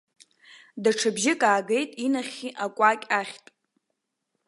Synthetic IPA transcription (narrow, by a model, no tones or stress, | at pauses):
daʈ͡ʂʰɨbʒɪkʼaːɡejtʼinaχʲiʔakʷʼakʲʼaχʲtʼ